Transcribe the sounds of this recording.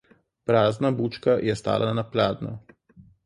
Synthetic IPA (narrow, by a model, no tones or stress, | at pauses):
pɾaːznabuːt͡ʃkajɛst̪a̰ːlʔannaplaːd̪nɔ̰